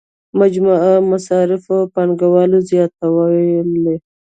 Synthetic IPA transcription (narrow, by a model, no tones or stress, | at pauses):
mad͡ʒmaamasɑɾɪfopanɡawɑlozjɑt̪awale